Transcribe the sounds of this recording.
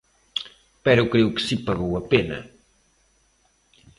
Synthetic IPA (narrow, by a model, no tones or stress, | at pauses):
pɛɾukɾewkɨ̥sipɐɣowɐpenɐ̰